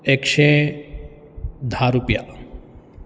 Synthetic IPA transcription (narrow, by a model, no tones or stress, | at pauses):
ekʃẽ | d̪ʱaːɾupja̰